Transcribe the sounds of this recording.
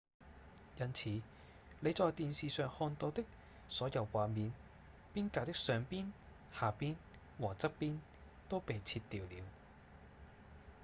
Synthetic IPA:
jɐ˥nt͡sʰiː˨˧˦ | le˨˧jt͡sɔː˨˧jt̪iː˨nsiː˨sœː˨ŋhɔː˧nt̪o˧wt̪ɪ˥k̚ | sɔː˨˥jɐ˨˧wkʷaː˨miː˨˧n | piː˥nkaː˨˩t̪ɪ˥k̚sœː˨˧ŋpiː˥n | haː˨˩piː˥n | wɔː˨˩t͡sɐ˥t̚piː˥n | t̪o˥wpe˨jt͡sʰiː˧t̪ːiː˨wliː˨˧w

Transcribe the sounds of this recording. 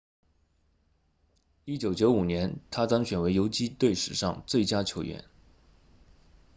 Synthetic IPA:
i˥t͡ɕjo˨˩˥ʊt͡ɕjo˧˥ʊu˨˩njɛ˧˥nt̪ʰa˥t̪ɑ˥ŋɕɥɛ˨˩nwe˧˥ɪjo˧˥ʊt͡ɕi˥t̪we˥˩ɪʂɻ̩˨˩ʂɑ̰˥˧ŋt͡swe˥˩ɪt͡ɕja˥t͡ɕʰjo˧˥ʊɥɛ̰˧˥n

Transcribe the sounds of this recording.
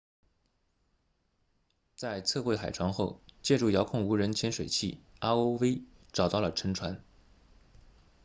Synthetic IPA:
t͡sa˥˧ɪt͡sʰɤ˥˧xwe˥˩ɪxa˨˩ɪʈ͡ʂʰwɑ˧˥ŋxo˥˧ʊt͡ɕjɛ˥˧ʈ͡ʂu˥˩jɑ˧˥ʊkʰʊ˥˩ŋu˧˥ɻə˧˥nt͡ɕʰjɛ˧˥nʂwe˨˩ɪt͡ɕʰi˥˩a˥o˥ʊwe˥ɪʈ͡ʂɑ˨˩ʊt̪ɑ˥˩ʊlə˩ʈ͡ʂʰə˧˥ŋʈ͡ʂʰwa˧˥n

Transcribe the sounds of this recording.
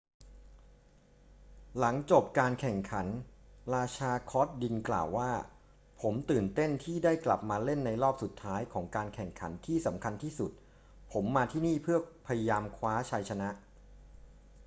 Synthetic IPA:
la˩˦ŋt͡ɕo˨˩p̚kaː˧nkʰɛ˨˩ŋkʰa˩˦nɾaː˧t͡ɕʰaː˧kʰɔː˦˥t̪̚di˧nkla̰ː˨˩wːaː˥˩ | pʰo˩˦mt̪ɯː˨˩nt̪e˥˩nt̪ʰiː˥˩daː˥˩jkla̰˨˩p̚maː˧le˥˩nːa˧jɾɔː˥˩p̚su˨˩t̪ʰːaː˦˥jkʰɔː˩˦ŋkaː˧nkʰɛ˨˩ŋkʰa̰˩˦nt̪ʰiː˥˩sa˩˦mkʰa˧nt̪ʰiː˥˩su˨˩t̪̚ | pʰo˩˦mːaː˧t̪ʰiː˥˩niː˥˩pʰɯ˥˩ɐpʰa˧ja˧jaː˧mkʰwaː˦˥t͡ɕʰa˧jt͡ɕʰa˧na˦˥ʔ

